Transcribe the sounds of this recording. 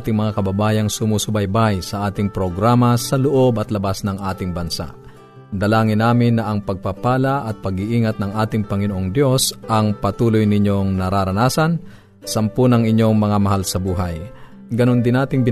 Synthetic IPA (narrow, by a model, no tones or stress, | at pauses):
t̪ɪŋmɐŋakɐbɐbaːjɐŋsʊmuːsʊbɐjbajsɐʔaːt̪ɪŋpɾoɡɾaːmɐsɐlʊʔobɐt̪lɐbasnɐŋʔaːt̪ɪŋbɐnsa̰ʔ | d̪ɐlaːŋɪnːaːmɪnːɐʔɐŋpɐɡ̚papaːlɐʔɐt̪̚pɐɡɪʔiːŋɐt̪̚nɐŋʔaːt̪ɪŋpɐŋɪnoʔoŋd̪jo̞sʔɐŋpɐt̪uːlʊjnɪɲoŋnɐɾaːɾɐnaːsɐn | sɐmpʊnɐŋɪɲjo̞ŋmɐŋamɐɦalsɐbuːɦɐj | ɡɐnond̪ɪnaːt̪ɪŋbɪ